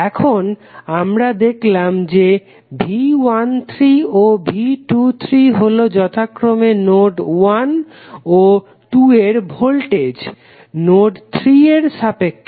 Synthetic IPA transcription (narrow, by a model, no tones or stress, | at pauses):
ɛkʰonamɾad̪ekʰlamd͡ʑe | bʱiwant̪ʰɾiobʱiʈut̪ʰɾiɦolod͡ʑɔt̪ʰakːɾomenoʈwan | o | ʈueɾbʱolʈed͡ʑ | noʈt̪ʰɾieɾsapekː